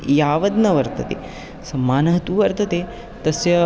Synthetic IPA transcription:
jaːʋɐd̪nɐʋɐɾt̪ʰɐt̪ḛ | sɐmːaːnɐɦɐt̪uʋɐɾt̪ɐt̪e | t̪ɐsjɐ

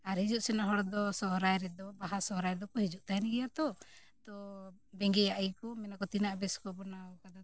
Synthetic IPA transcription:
aɾɦid͡ʒuʔsɛnaɦɔɾd̪ɔsɔɦɾajɾɛd̪ɔbaɦasɔɦɾajd̪ɔkɔhid͡ʒuʔt̪aɦɛnɛɡɛjat̪ɔ | t̪ɔbɛŋɡɛjaʔjkɔmɛnakɔt̪inaʔbɛskɔbɔnaɔkad̪a

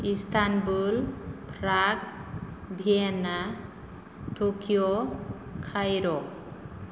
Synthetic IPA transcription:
ist̪ʰanbulpʰɾak̚ | bʱiena | tokijokʰajɾɔ

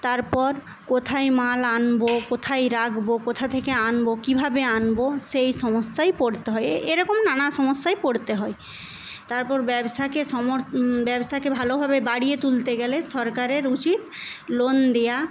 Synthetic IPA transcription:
t̪aɾpɔɾ | kot̪ʰajmalanbokot̪ʰajɾakbokot̪ʰat̪ʰekeanbokibʱabeanboʃejʃɔmosːajpoɽt̪eɦɔeeɾɔkomnanaʃɔmosːajpoɽt̪eɦɔe | t̪aɾpɔɾbɛbsakeʃɔmobɛbsakebʱalobʱabebaɽijet̪ult̪eɡɛleʃɔɾkaɾeɾut͡ɕit̪lond̪eja

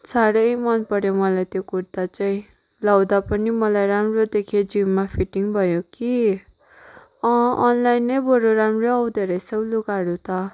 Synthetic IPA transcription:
saɾʌjmʌnpʌɾjomʌlajt̪jokuɾt̪at͡saĩ | lawd̪apʌnimʌlajɾamrod̪ekʰed͡zimmapʰiʈiŋbʱʌjoki | ʌʌnlajnːʌjbʌɾoɾamroʌwd̪eɾʌjsʌwluɡaɾut̪ʌ

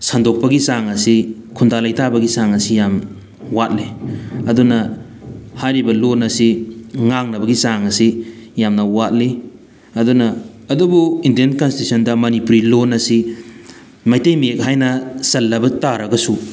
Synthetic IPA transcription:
sandok̚pɐɡisaŋɐsi | kʰundalɐjtabɐɡisaŋɐsijam | wat̚liɐdunɐ | hajɾibɐlonɐsiŋaŋnɐbɐɡisaŋɐsijamnɐwat̚li | ɐdunɐː | dubuindienkɐnsitisʰɐndɐmɐnipuɾilonɐsi | mɐjtejmiek̚ɦajnɐsɐlːɐbɐtaɾɐɡɐsu

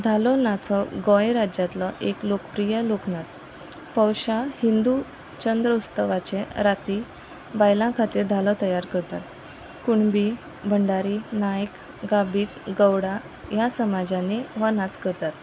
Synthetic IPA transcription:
d̪ʱalɔnat͡sɔɡɔ̃jɾad͡ʑjat̪lɔʔeklokəpɾijəloknat͡s | pəwɕahind̪u | t͡ɕənd̪ɾəust̪əʋat͡ɕeɾat̪i | bajlãkʰat̪iːɾd̪ʱalɔt̪əjaɾkəɾt̪at̪ | kuɳbi | bʱəɳɖaɾinajk | ɡabiːʈɡəwɽa | jasəmad͡ʑãneʋanat͡skəɾt̪at̪

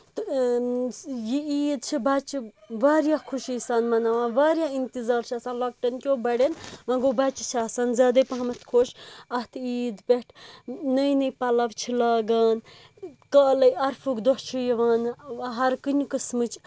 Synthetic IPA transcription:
t̪ɨ | jiiːd̪t͡ʃʰibɐt͡ʃi | ʋaːɾjakʰuʃisaːnmɐnaʋãːnʋaːɾjaːint̪izaːɾt͡ʃʰɐsaːnlɐk̚ʈɐnkʲobɐɽenmɐ̃ŋɡobɐt͡ʃit͡ʃʰiɐːsanzɐːd̪ɐpɐɦɐmɐt̪ʰkʰoːʃɐt̪ʰiːd̪pʲeʈʰnɐjnɐjpɐlɐʋt͡ʃʰilɐːɡɐːn | kɐːlɐjɐɾfʰukd̪ot͡ʃʰujiʋaːnɦɐɾkɨnʲikɨsmɨt͡ʃʰ

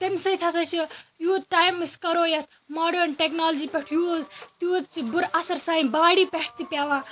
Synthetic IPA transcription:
t̪ɐmʲsɐt̪ʰɐsɐt͡ʃʰijuːt̪̚ʈaːjmɨskɐɾoːjɐt̪ʰ | maːɖɐɾnʈeknaːld͡ʒiːpeʈʰjuːzt̪uːt̪̚t͡ʃibʊɾɐsɐɾsaːĩbaːɽiːpeʈ̚ʰt̪ipʲaːʋãː

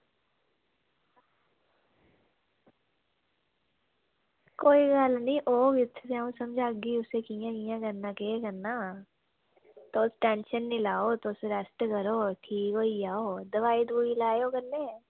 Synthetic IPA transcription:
koːiɡaːlnĩʔoːɡɪt̪ʰːseũsɐ̃md͡ʒʱaːɡiʊsekijãkijãkɐɾnakeːkɐɾna | t̪oːsʈɛ̃ːnʃənːɪlaːot̪oseɾɐsʈkɐɾoʈʰiːkoːiaːod̪ɐʋaːid̪buːilaːjokɐɾne

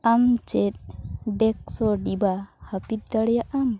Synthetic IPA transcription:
ʔamt͡ʃet̚dek̚sodibahapit̪̚d̪aɽjaʔam

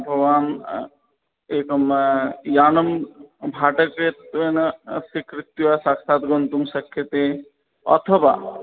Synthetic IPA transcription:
bʱɐɡʋaːn | ekomjanɐmbʱaʈəkɾet̪ʋensikɾit̪ːjuasaksat̪ɡont̪umsɐkʰːjet̪e | ɔ̰t̪ʰɔba

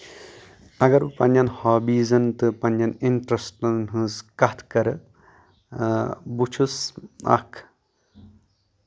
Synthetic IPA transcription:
ɐɡɐɾpɐnjɐnhɔːbiːzɐnt̪ɨpɐnjɐniɳʈɾɐsʈɐnɦɨ̃zkɐt̪ʰkɐɾɨ | but͡ʃʰusa̰kʰ

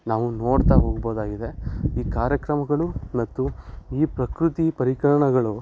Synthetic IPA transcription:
naːʋuno̞ːɽt̪aːɦoːɡboːd̪aːɡid̪e̞iːkaːɾjɐkɾɐmɐɡɐɭumɐt̪ːuiːpɾɐkɾut̪ipɐɾikɐɭɐɳɐɡɐɭu

